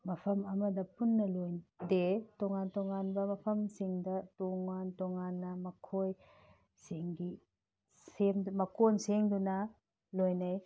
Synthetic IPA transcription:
mɐpʰɐmɐmɐdɐpunːɐlojdetɔŋantɔŋanbɐmɐpʰɐmsiŋdɐtɔŋantɔŋanːɐmɐkʰoj | seŋɡi | semmɐkonseŋdunɐ | lojnaj

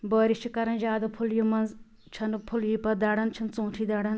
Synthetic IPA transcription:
bəːɾit͡ʃʰikɐɾɐnd͡ʒaːd̪ɐpʰuljimɐnz | t͡ʃʰɐnpʰuljiːpɐd̪ɐɽɐnt͡ʃʰɐnt͡sũːʈʰid̪ɐɽɐn

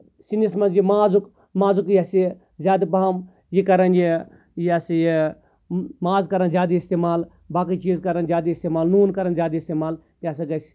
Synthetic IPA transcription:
sinismɐnzjimaːzuk | maːzukjɐsi | zʲaːd̪ibaam | jikɐɾɐnji | jasiji | maːzkɐɾɐnzʲjaːd̪iist̪eːmaːl | baːkit͡ʃiːzkɐɾɐnzʲjaːd̪iist̪eːmaːlnuːnkɐɾɐnzʲjaːd̪iist̪eːmaːl | jasiɡɐs

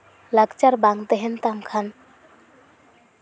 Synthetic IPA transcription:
laɡt͡ʃaɾbaŋt̪eɦɛnt̪amkʰan

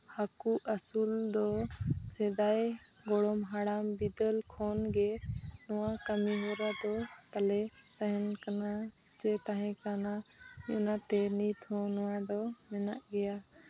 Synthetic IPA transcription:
hakuəsuld̪ɔsɛd̪aj | ɡɔɽɔmɦaɽambid̪əlkʰɔnɡɛnɔwakəmiɦɔɾad̪ɔt̪alɛ | t̪aɦɛnkana | t͡ʃɛt̪aɦɛ̃kana | ṵnat̪ɛnit̪ʰɔ̃nɔwad̪ɔmɛna̰ʔɡɛja

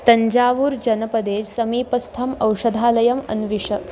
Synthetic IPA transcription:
t̪ɐɲd͡ʑaːʋuːɾd͡ʑɐnɐpɐd̪eːd͡ʑsɐmiːpɐst̪ʰɐmɐwʂɐd̪ʱaːlɐjɐmɐ̰nʋiʂə

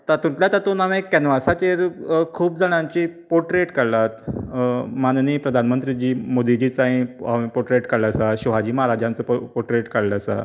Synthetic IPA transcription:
t̪at̪ũnt̪ljat̪at̪uːnaʋẽkɛnʋasat͡ɕ̪eɾkʰuːp̚d͡zaɽ̃jãɲt͡ɕiːpoʈɾeʈkəɽlat̪ | manniːpɾəd̪ʱanmənt̪ɾid͡ʑiːmod̪id͡ʑiːt͡sãɦĩaipoʈɾeʈkəɽlasaɕuʋ̤ad͡ʑiːməɦaɾad͡ʑãnt͡səːpoʈɾeʈkaɽlasa̰

